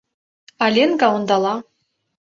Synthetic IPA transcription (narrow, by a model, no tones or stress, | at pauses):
alʲenɡawund̪alˠa